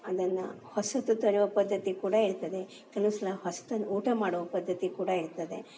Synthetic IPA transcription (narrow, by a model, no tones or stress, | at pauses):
ɐd̪ɐnːɐ̰hosɐt̪ːut̪ɐɾuʋɐpɐd̪ʱːɐt̪ikuːɽɐiɽt̪ɐd̪e̞ | kɐlusɐlɐhɐsɐ̥t̪ɐnːoːʈɐmaːɽɔʋɐpɐd̪ʱːɐt̪ikuːɽɐiɾt̪ɐd̪e̞